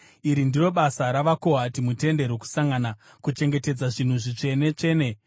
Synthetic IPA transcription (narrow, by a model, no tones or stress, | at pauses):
iɾindiro̞ɓasaɾaʋako̞ɦatimute̞nde̞ɾwoku̥saŋɡana | kut͡ʃe̞ŋɡe̞te̞d͡zaʐin̤uʐit͡ʂe̞ne̞t͡ʂe̞ːne̞